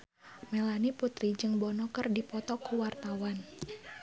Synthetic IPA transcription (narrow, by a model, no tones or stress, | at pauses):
melaniput̪ɾid͡ʒɨŋbɔnɔkərdipɔt̪ɔkuwart̪awan